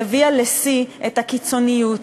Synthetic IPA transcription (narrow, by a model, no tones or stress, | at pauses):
vialesiʔetakit͡so̞nijut